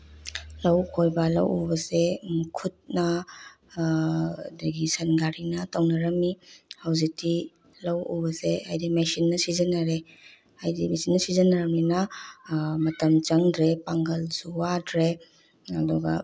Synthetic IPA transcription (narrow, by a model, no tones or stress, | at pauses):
lɐwkʰojbɐlɐ̰wṵbɐsekʰut̚nɐ | dɐɡisɐnɡaɾinɐtawnɐɾɐmihɐwzik̚ti | lɐwṵbɐseajdimesinːɐsizɐnːɐɾe | ajdimesinːɐsizɐnːɐɾɐmninɐ | mɐtɐmt͡ʃɐŋdɾepaŋɡɐlsuwadɾe | ɐ̰duɡɐ̰